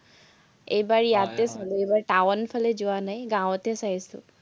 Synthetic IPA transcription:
ejbaɹijatɛsaluejbaɹʈawnpʰalɛzʊanajɡãwtɛsajsʊ̰

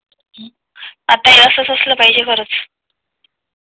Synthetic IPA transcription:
at̪ajeəsəsəsləpaɦid͡ʑekəɾət͡s

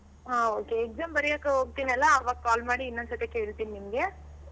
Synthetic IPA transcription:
ɦaoːkeːk̚zaːmbɐɾijaːkɐɦoːɡ̚t̪iːnɐlːɐːʋaːɡ̚kaːlmaːɽiːnːonsɐt̪ekeːɭt̪iːninimɡe̞

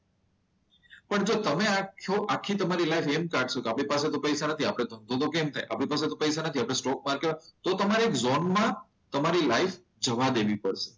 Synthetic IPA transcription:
pəɳd͡ʒot̪əmeakʰoʔakʰːit̪əmaɾilajfemkaɖʃokeapɽ̃ipaset̪opəjsanət̪ʰiapɽ̃ed̪ʱə̃nd̪ʱot̪okemt̪ʰa̰jʔa̰pɽ̃ipaset̪opəjsanət̪ʰiapɽ̃esʈɔk̚maɾkeʋat̪ot̪əmaɾeekzonmã | t̪əmaɾilaif | d͡ʒəʋad̪eʋipəɽʃe̥

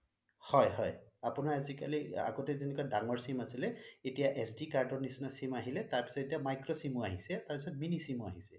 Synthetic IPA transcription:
hɔjɦɔjapʊnaɹazika̰lia̰ɡotɛzenɛkuwadaŋɔɹsimasilɛetijaʔɛsdikaɹdɔnisnasimaɦilɛtaɹpi̥sɔtetiamajkɹɔsimuaɦisɛtaɹpisɔtminisimua̰ɦisɛ

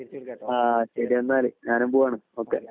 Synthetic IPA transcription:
aːɕɐɾienːaːlɨɲaːnumbuːʋaːɳumoːkːḛ

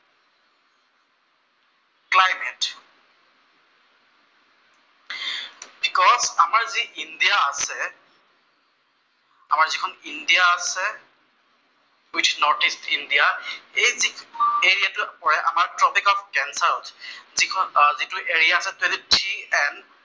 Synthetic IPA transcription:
klajmɛt | bikɔzamaɹziʔindijaːsɛ | a̰maɹzikʰɔnindijaːsɛ | itʰnɔɹtistʰindijaejzieɹiatupɔɹɛʔa̰maɹtɹɔpʰikɔfkɛnsaɹɔtzikʰzituʔeɹijaːsɛtwelitʰiɛn

